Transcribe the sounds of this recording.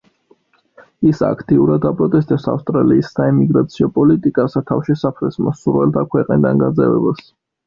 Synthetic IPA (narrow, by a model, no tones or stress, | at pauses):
isa̰kʰt̪ʼiuɾad̪apʼɾɔt̪ʼɛst̪ʼɛpsa̰fst̪ʼɾaliːsːaɛmiɡɾat̪sʰiɔpʼɔlit̪ʼikʼasat̪ʰafʃɛsapʰɾɛsmɔsuɾvɛlˠt̪ʰakʰwɛqʼnid̪anɡazɛvɛ̰bas